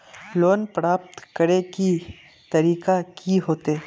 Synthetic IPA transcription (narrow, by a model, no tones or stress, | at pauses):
loːnpɾaːp̚t̪kəɾeki | t̪ɐɾiːkakiɦoːt̪eː